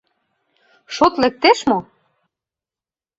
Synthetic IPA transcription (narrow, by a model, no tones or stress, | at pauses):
ʃot̪lek̚t̪eʃmo